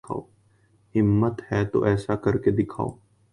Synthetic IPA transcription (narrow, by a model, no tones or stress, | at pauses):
a̰ːoː | ɦɪmːət̪hɛːt̪o̰ʔɛːsakəɾked̪ɪkʰa̰ːo̰ː